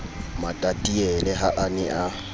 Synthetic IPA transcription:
madatʼiɛlɛɦaʔanɪʔa

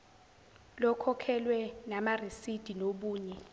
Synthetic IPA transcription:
lɔkʰɔkʰɛlwɛnamarisid̥ʱinoɓuːɲɛ

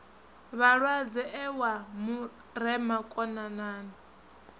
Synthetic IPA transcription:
βaɺwad͡zɛʔɛwamu | ɾɛmakʼɔnanaːna

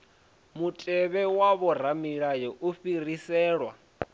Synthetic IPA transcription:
mutʼɛβɛwaβɔramiɺajɔʔuɸirisɛːɺwa

